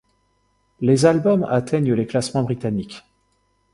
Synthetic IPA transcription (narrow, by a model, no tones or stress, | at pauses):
lezalbɔma̰t̪ʰɛɲəleklasmɑ̃bʁit̪anikʲ